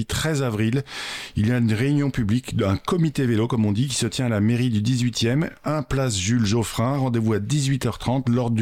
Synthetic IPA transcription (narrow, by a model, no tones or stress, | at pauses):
it̪χɛzavʁililjaynʁeynjɔ̃pyblikd̪ɛ̃kɔmit̪evelokɔmɔ̃d̪ik̬ʲi̥sət̪jɛ̃alameʁid̪yd̪izɥit̪jɛmɛ̃plasʒylʒofχɛ̃ʁɑ̃d̪evuad̪izɥit̪œʁt̪χɑ̃t̪lɔʁd̪